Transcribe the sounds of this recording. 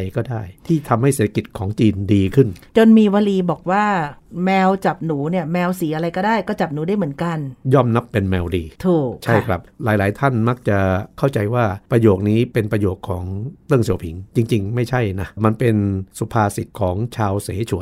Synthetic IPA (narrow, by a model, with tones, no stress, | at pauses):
jkɔː˥˩daː˥˩jt̪ʰiː˥˩t̪ʰa˧mha˥˩jseː˨˩t̪ʰa˧ki˨˩t̪̚kʰɔː˩˦ŋt͡ɕiː˧ndiː˧kʰɯ˥˩nt͡ɕo˧nmiː˧wa˧liː˧bɔː˨˩k̚waː˥˩mɛː˧wt͡ɕa˨˩p̚nuː˩˦ni˥˩ɐmɛː˧wsi˩˦ʔa˧ɾa˧jkɔː˥˩daː˥˩jkɔː˥˩t͡ɕa˨˩p̚nuː˩˦daː˥˩jm˩˦ənka˧njɔː˥˩mna˦˥pːe˧nmɛː˧wdiː˧t̪ʰuː˨˩t͡ɕʰa˥˧˩jkʰɾa˦˥p̚laː˨˦jlaː˩˦jt̪ʰa˥˩nma˦˥k̚t͡ɕa˨˩kʰa˥˩wt͡ɕa˧jwaː˥˩pɾa˧joː˨˩k̚niː˦˥pe˧npɾa˧joː˨˩kʰːɔː˩˦ŋt̪ɯ˥˩ŋsi˨˩˦əwpʰi˩˦ŋt͡ɕi˧ŋt͡ɕi˧ŋma˥˩jt͡ɕʰa˥˩jna˦˥ma˧npe˧nsu˨˦pʰaː˧si˨˩t̚kʰɔː˩˦ŋt͡ɕʰaː˧wseː˩˦t͡ɕʰu˨˩˦